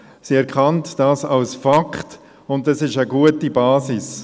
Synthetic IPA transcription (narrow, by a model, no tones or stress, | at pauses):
siɛɾkʰɑntd̥aːsɑlsfakχt | ʊndɛsɪʃəɡuətibaːsɪs